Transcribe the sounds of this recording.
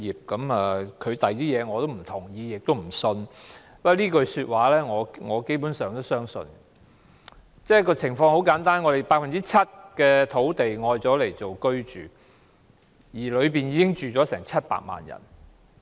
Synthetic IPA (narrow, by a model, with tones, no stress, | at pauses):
iː˨p̚kɐ˨˥mɐː˨˧kʰɵ˨˧ɥt̪ɐ˨jt̪iː˥jɛː˨˧ŋɔː˨˧t̪o˥wm̩˨˩t̪ʰʊ˨˩ŋjiː˨˧jɪ˨k̚t̪o˥wm̩˨˩sɵ˧n | wɐ˨˧˩liː˥kɵ˧syː˧t̚waː˨˧lɛː˥ŋɔː˨˧ŋɔː˨˧ke˥jp̬uː˨˥nsœː˨˩ŋt̪o˥wsœː˥ŋsɵ̰˧n | t͡sɛː˥˩kɔː˧t͡sʰɪ˨˩ŋfɔː˧ŋho˨˥wkaː˨˥nt̪aː˥nŋɔː˨˧ɾe˨˩jpaː˧k̚fɐ˨nt͡siː˥t͡sʰɐ˥t̚kɛː˧t̪ʰo˨˥wt̪e˨jŋɔː˧jt͡sɔː˨˥le˨˩jt͡so˨wkɵ˥ɥt͡ʃy̰ː˨˩ | jiː˨˩lɵ˨˧ɥpiː˨njiː˧kɪ˥ŋt͡ʃyː˨t͡sɔː˨˥sɛː˨˩ŋt͡sʰɐ˥t̚pa̰ː˧k̚ma̰ː˨njɐ̰˨˩n